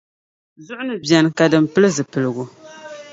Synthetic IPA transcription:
zʊ˦ʔʊ˦nɨ˦bjɛ˨n˨ka˨dɨ˨mpɨ˦lɨ˦zɨ˨pɨ˨lɨ˨ɡu˨

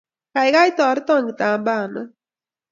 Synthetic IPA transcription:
ka˨jka˦jt̪ɔ˨ɾi˦t̪ɔ˦ŋɡi˨t̪a˨mba˦˨nɔ˦

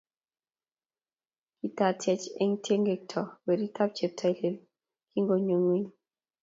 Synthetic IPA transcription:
ki˨ta˨tʰjɛ˨t͡ʃɛ̰˦ŋtʰe˦ŋɡe˨k̚tʰɔ˨wɛ˨ɾi˦tʰa˦p̚t͡ʃɛ˨p̚tʰa˨jle˨l | kʰi˦ŋɡo˨ɲo˨ŋwi˦n

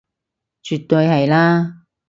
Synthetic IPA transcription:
t͡ʃyː˨t̪ːɵ˧jhɐ˨jlaː˥

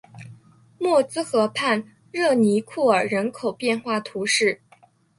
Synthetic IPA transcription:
mwɔ˥˩t͡sɹ̩˥xɤ˧˥pʰa˥˧n | ɻɤ˥˩ni˧˥kʰu˥˩ə˞˨˩ɻə˧˥nkʰo˨˩ʊpjɛ˥˧nxwa˥˩t̪ʰu˧˥ʂɻ̩˥˩

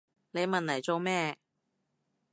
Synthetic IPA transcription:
ne˨˧jmɐ˨nlɐ˨˩jt͡so˨˧wmɛː˥˧

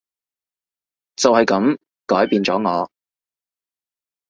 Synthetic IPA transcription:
t͡sɐ˨whɐ˨jkɐ˨˧˥m | kɔː˨˥jpiː˨˧nt͡sɔː˨˥ŋɔː˨˧

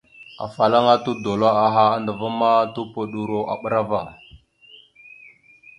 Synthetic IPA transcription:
a̰˨fa˨la˦ŋa˦tu˦do˨la˦a˨ɦa˦a˦ndə˨va˦ma˦tu˦po˨ɗu˨ɾo˦ʔa̰˨ɓə˦ɾa˦va˨

